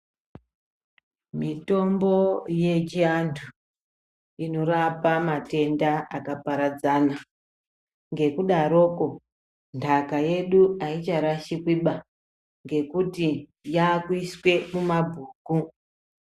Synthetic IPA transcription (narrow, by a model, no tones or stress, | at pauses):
mito̞mbo̞je̞t͡ʃiantʰu | ino̞rapamate̞ndaakapaɾad͡zana | ŋɡe̞kuɗaɾo̞ːko̞ | ndakaje̞ɗuait͡ʃaɾaʃikwiɓa | ŋɡe̞kutijakwiswe̞mumabʱuːku